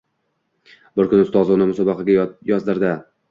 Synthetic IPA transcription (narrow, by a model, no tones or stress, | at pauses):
bɪɾkʰʊnʊst̪ɒznɪmʊsɒbɑqɑɡʲajɒzd̪ɪɾd̪ɪ